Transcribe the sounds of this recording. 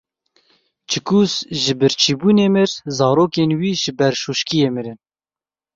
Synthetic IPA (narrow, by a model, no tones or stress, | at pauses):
t͡ʃʰɪkuːsʒɪbɨɾt͡ʃʰiːbuːneːmɨɾzɑːɾoːkenwiːʒɪbɛɾʃuːʃkijeːmɨɾɪn